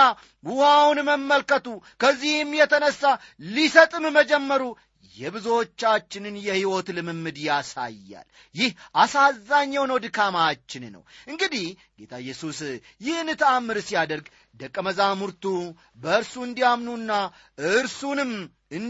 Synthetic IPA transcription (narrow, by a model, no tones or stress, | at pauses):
wuhawnməmːəlkət̪ukʰəzːihmjɛt̪ʰənəsːalisət̪ʼɨmməd͡ʒɛmːəɾu | jɛbɨzot͡ʃːat͡ʃːɪnɨnjɛhiwo̞t̪lɨmɨmːɨd̪jasa̰jːa̰l | jɪhʔasazːaɲːawnəwd̪ɨkʰamat͡ʃːɪnnə̰wʔɨŋɡɨd̪ih | ɡ̥e̞t̪ʰaɨjːɛsus | jɪhnːɨt̪ʰamːɨɾsijad̪əɾɡ | d̪əkʼːəməzamuɾt̪u | bəɨɾsuɨnd̪ijamnunːa | ɨɨɾsunɨm | ɨn